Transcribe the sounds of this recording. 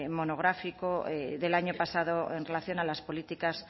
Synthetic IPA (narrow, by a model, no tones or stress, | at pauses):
mo̞noɣɾafikoeðelaɲopasaðoenrelaθjo̞nalaspo̞lit̪ikas